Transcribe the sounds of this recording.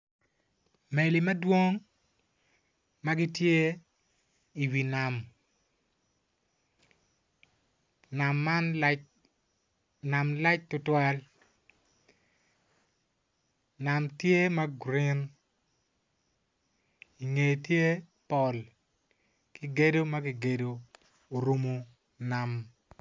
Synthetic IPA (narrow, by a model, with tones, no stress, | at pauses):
me˨li˨mɐ˦dwo˦ŋ | ma˦ɡi˦tje˦ | i˨wi˨na˨m | na˨mːa˦n | na˨mla˦t͡ʃ̚tʊ˦twa˦l | na˨mtje˦ma˦ɡɾɪ˦n | i˨ŋe˨tje˦ | pɔ˨l | ki˦ɡe˦do˦ma˦ɡi˦ɡe˦˨do˨ | o˨ɾu˦mo˨ | na˨m